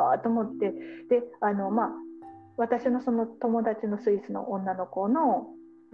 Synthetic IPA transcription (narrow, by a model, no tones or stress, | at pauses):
a̰t̪oːmot̪ːe̞d̪̥e̞ano̞ma | βat̪aɕino̞so̞no̞t̪o̞mo̞d̪at͡ɕino̞sɨisɨno̞̰ʔõnːano̞ko̞no̞